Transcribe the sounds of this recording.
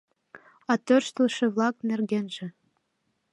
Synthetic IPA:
ɑt̪ørʃt̪ə̆lʃɘ̆βlˠɑknerɡenʒĕ

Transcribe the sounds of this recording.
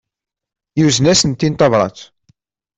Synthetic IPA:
juzənæsənt̪ːint̪ɑvɾˤɑ̰t͡s

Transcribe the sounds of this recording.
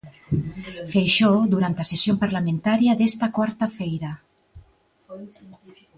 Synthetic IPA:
fejʃod̪uɾant̪asesjompaɾlamẽnt̪aɾjaðest̪akwaɾt̪afejɾa

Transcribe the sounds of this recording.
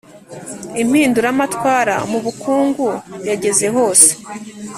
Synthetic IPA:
im̥hiːnduɾamatwaːɾa̰muβukʰuːŋɡujaɟe̞ze̞ɦo̞ːse̥

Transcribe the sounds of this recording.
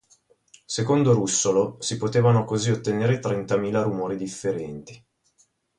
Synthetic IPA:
sekond̪oɾusːolosipot̪eːvanokoziot̪ːeneːɾet̪ɾɛnt̪amiːlaɾumoːɾid̪ifːeɾɛnt̪i̥

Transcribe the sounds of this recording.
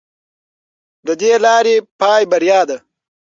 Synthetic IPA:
d̪əd̪elɑːɾepɑːjbɐɾjɑːd̪a

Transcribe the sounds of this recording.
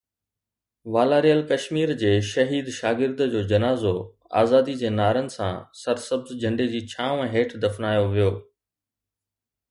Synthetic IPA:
ʋaːlaːɾijəlkɐʃmiːɾd͡ʑeːʃɐɦiːd̪ʃaːɡɪɾd̪d͡ʑoːd͡ʑɐnaːzo | a̰ːzaːd̪id͡ʑeːnaːɾənɪ̆sã̰sɐɾsɐbzd͡ʑʱɐ̃ɳɖed͡ʑiːt͡ɕʰãːɛ̃ːɦeːʈʰd̪ɐfnaːjoʋijoː

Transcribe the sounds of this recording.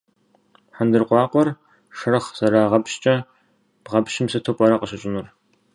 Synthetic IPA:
ħandɨrqʷɑːqʷʼɔr | ʂɨrɐχzɐɾaːʁɐpɕt͡ʃʼɐ | b̥ʁɐpʃɪmsɐtʰopʼɐɾɐqəɕɪɕʼɪnur

